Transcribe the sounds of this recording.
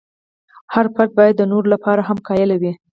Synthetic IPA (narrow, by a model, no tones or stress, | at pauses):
haɾpat̪̚bɑjad̪ːənoɾolapɑɾaɦamkɑjəlawi